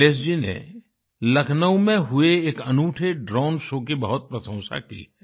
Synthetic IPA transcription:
eːs̬d͡ʒinḛ | lɐkʰnəũmẽɦʊeːkɐnuːʈʰeɖɾɔːnʃoːkibɐɦʊt̪̚pɾɐsə̃ʊ̃sa̰kḭɦɛː

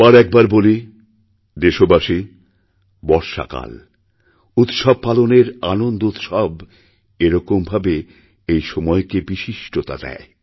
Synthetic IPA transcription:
aɾɛk̚baɾboli | d̪eʃobaʃi | bɔɾʃa̰ka̰l | ut̪ʃɔb̚paloneɾanond̪out̪ʃɔb | eɾɔkombʱabe | ejʃɔmɔekebiʃiʃʈot̪a̰d̪ɛ̰e

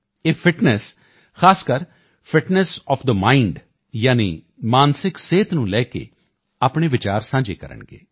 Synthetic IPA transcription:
eːfʰɪʈnɛs | xʰaːskəɾ | fʰɪʈnɛsɔːpʰd̪əmaːiɳɖ | jaːnḭː | maːnsɪkseːt̪nũːlɛːkḛː | aːpɳeːʋɪt͡ʃaːɾsãːd͡ʒḛːkə̰ɾə̰ɳɡḛː

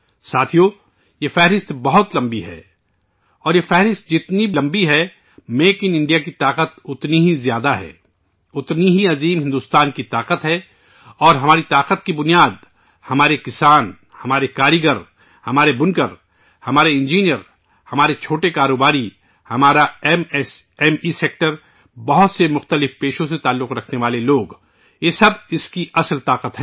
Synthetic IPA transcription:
saːt̪ʰijoː | jefɛɦɾɪst̪bɐɦʊt̪lɐ̃mbiɦɛ̰ː | ɔːɾjefɛɦɾɪst̪̚d͡ʒɪt̪nilɐ̃mbiɦɛ | meːkɪnɪ̃ɳɖijakit̪aːqət̪ʊt̪niɦizjaːd̪aɦɛ̰ː | ʊt̪niɦiɐziːmɦɪ̃nd̪uːst̪aːnkit̪aːqət̪ɦɛː | ɔːɾɦɐmaːɾit̪aːqət̪kibʊnijaːd̪̚ | hɐmaːɾekɪsaːn | hɐmaːɾekaːɾiɡəɾ | hɐmaːɾebʊ̃nkəɾ | hɐmaːɾeɪ̃nd͡ʒiːnijəɾ | hɐmaːɾet͡ʃʰoːʈekaːɾoːbaːɾi | hɐmaːɾaɛmɛːmiseːk̚ʈəɾ | bɐɦʊt̪semʊxt̪əlɪfpeːʃõs̬et̪aːlːʊqɾɐkʰneʋaːleloːɡ | jeːsɐbɪskiɐsəlt̪aːqət̪ɦɛː

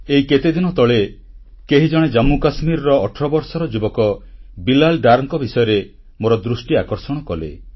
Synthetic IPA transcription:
eɦiket̪ed̪inɔt̪ɔɭe | keɦid͡ʒɔɽ̃ed͡ʒamukasmiɾɔɾɔːʈʰɾɔbɔɾsɔɾɔd͡ʒubɔkɔbilalɖaɾŋkɔbisɔjɔɾe | moɾɔd̪ɾusʈiakɔɾsɔɽ̃ɔkɔlḛ

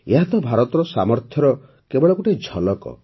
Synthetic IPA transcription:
eɦat̪ɔbʱaɾɔt̪ɔɾɔsamɔɾt̪ʰjɔɾɔ | kebɔɭɔkuʈed͡ʒʱɔlɔkɔ̰

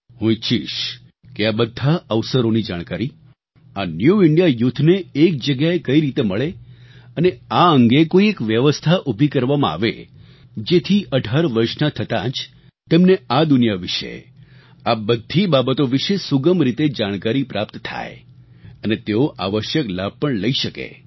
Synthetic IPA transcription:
ɦũit͡ʃʰiʃ | keabəd̪ʱːaəʋsəɾonid͡ʒaɽ̃kaɾi | anjuɪɳɖijajʊt̪ʰːneːk̚d͡ʒəɡjaekəiɾit̪eməɭeəneaəŋɡekoiekʋjəʋəst̪ʰaʔubʱikəɾʋamãa̰ʋḛ | d͡ʒet̪ʰiʔəɖʱaɾʋəɾʃnat̪ʰət̪ã̰t͡ʃ | t̪emnead̪unjaʋɪʃḛ | abəd̪ʱːibabət̪oʋɪʃesuɡəmɾit̪ed͡ʒaɽ̃kaɾipɾapt̪t̪ʰa̰j | ənet̪eoʔa̰ʋəʃjəklab̚ʱpəɳləiʃəkḛ

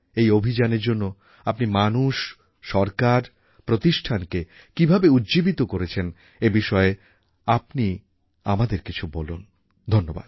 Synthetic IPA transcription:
ejobʱid͡ʑaneɾd͡ʑonːo | apnimanuʃ | ʃɔɾkaɾ | pɾot̪iʃʈʰanke | kibʱabeudd͡ʑibit̪okoɾet͡ɕʰen | ebiʃɔe | apni | a̰mad̪eɾkit͡ɕʰubɔlun | d̪ʱonːoba̰d̪̥

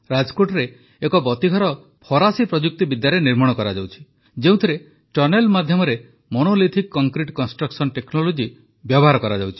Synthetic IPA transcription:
ɾad͡ʒkoʈɔɾeː | kɔbɔt̪iɡʱɔɾɔ | pʰɔɾasipɾɔd͡ʒuk̚t̪ibid̪jaɾeniɾmɔɽ̃ɔkɔɾad͡ʒawt͡ʃʰi̥ | d͡ʒeũt̪ʰiɾe | ʈɔɾnelmad̪ʱjɔmɔɾe | monolit̪ʰikːɔŋkɾiʈkɔnsʈɾɔksɔnʈeknolod͡ʒi | bjɔbɔɦaɾɔkɔɾad͡ʒawt͡ʃʰi̥

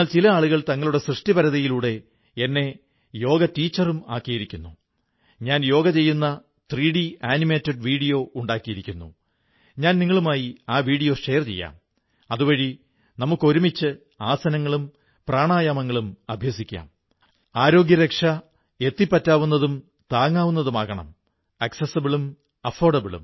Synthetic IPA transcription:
aːlt͡ɕilɐaːɭuɣɐɭt̪ɐŋːɐɭuɽe̞srɨʂʈibɐɾɐðɐjiluːɽe̞ | e̞nːe̞ | jo̞ːɡɐtiːt͡ɕːɐruma̰ːkːijiɾikʲːunːu | ɲaːnjo̞ːɡɐt͡ɕe̞jːunːɐ | t̪riːɽiaːnime̞ːtːeɖʋiːɽijo̞ːuɳɖaːkːijiɾikʲːunːṵ | ɲaːnniŋːɐɭumaːjiaːʋiːɽijo̞ːʂe̞jɐrt͡ɕe̞̰jːa̰ːm | ɐðuʋɐɻi | nɐmukːo̞ɾumit͡ɕːɨ | aːsɐnɐŋːɐɭum | praːɳaːjaːmɐŋːɐɭumɐbʱjɐsikʲːa̰ːm | aːɾo̞ːɡjɐɾekʂɐ | e̞t̪ːipːɐtːaːʋunːɐðum | t̪aːŋːaːʋunːɐðumaːɣɐɳɐ̰m | ɐksesɐbiɭum | ɐfo̞ːɖɐbiɭṵm

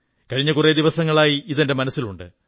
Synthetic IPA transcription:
kɐɻiɲːɐkured̪iʋɐsɐŋːɐɭaːjiiðende̞mɐnɐsːiluɳɖɨ̰

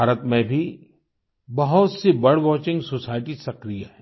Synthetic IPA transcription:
aːɾət̪mẽbʱi | bɐɦʊt̪sebɐɽ̤ʋɔːt͡ʃɪ̃ŋɡsoːsaːɪʈisɐkɾijaɦɛ

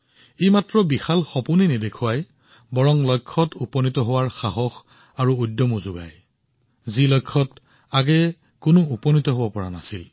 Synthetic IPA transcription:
ejmatɹɔbixalxɔpuninidekʰuwaj | bɔɹɔŋlɔjkʰːɔtupɔnitɔɦowaɹxaɦɔx | aɹuudːɔmuzuɡa̰j | zilɔjkʰːɔt | aɡɛ | kʊnʊupɔnitɔɦobɔpɔɹana̰sil

